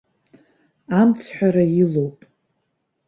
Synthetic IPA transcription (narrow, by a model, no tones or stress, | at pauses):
amt͡sʰħʷᶣaɾajɪlowpʼ